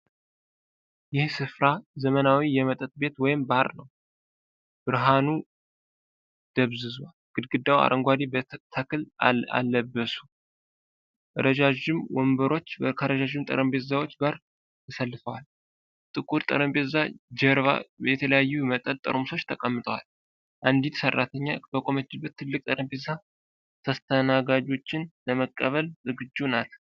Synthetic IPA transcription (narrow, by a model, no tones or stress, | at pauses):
jɪhsɨfɾazəmənawijɛmət̪ʼət̪ʼbe̞t̪wɔjɪmbaɾnəw | b̥ɨɾɦanu | d̪̥əβzɨzwalɡ̥ɨd̪̚ɡɨd̪ːawa̰ɾʔəŋɡʷad̪ibt̪ʰəkʰɨla̰lːəbːəsu̥ | ʔəɾəd͡ʒad͡ʒɪmwɔmbəɾo̞t͡ʃːkʰəɾəd͡ʒaʒɪmt̪ʼə̰ɾəmbet̪zawo̞t͡ʃːɡaɾ | t̪ʰəsəlːɨfəwal | t̪ʼɨkʼuɾt̪ʼə̰ɾəmbet̪zad͡ʒəɾβa̰jɛt̪ʰələjajːumət̪ʼənt̪ʼə̰ɾmso̞t͡ʃːt̪ʰəkʼəmːɨt̪ʼʰəwa̰l | ʔand̪it̪sərːat̪ʰəɲːabəkʼomət͡ʃːɪbət̪ʰːɨlːɨkʼt̪ʼəɾəmbet̪za | t̪ʰəst̪ʰənaɡad͡ʒo̞t͡ʃːɪnləməkʼːəβəlzɨɡɨd͡ʒːunat̪